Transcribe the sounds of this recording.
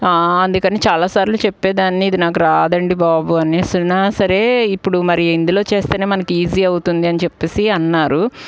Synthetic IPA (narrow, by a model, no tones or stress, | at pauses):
ɐnd̪ukɐniːt͡ʃaːlaːsaːɾilut͡ʃepːeːd̪aːnːiːd̪inaːk̬uɾaːd̪ɐɳɖibaːbuɐneːsɐlnaːsɐɾe̞ːipːuɽumɐɾijɐind̪ulo̞ːt͡ʃe̞ːst̪eːneːmɐnɐkiiːziːɐwut̪und̪iɐnit͡ʃepːe̞ːsiɐnːaːɾu